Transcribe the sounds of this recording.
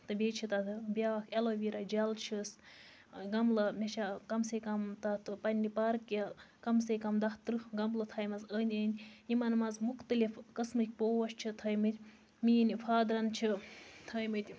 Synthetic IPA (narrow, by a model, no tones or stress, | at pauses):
t̪ɨbʲeːt͡ʃʰit̪ɐt̪ɨbʲjaːkʰeloʋʲiɾɐd͡ʒɐlt͡ʃʰis | ɡɐmlɐmʲɐʃʰakɐmsekɐmt̪ɐt̪ʰɨpɐnʲːipɐɾkɐkɐmsekɐmd̪ɐht̪ɾɨɡɐmlɨt̪ʰɐjmɐzənʲəːnʲjimɐnmɐzmuxt̪ɨlifkɐsmɨkʲpoːʋɐʃt͡ʃʰit̪ʰɐːjmɨt̪ʲ | miːnifʰaːd̪ɾɐnt͡ʃʰit̪ʰɐjmɨt̪ʲ